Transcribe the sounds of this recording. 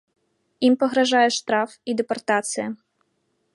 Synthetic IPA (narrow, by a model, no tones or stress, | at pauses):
impɔɦɾɐʒɑjɛʂt̪ɾɑfid̪ɛpɔrt̪at̪sɨjɐ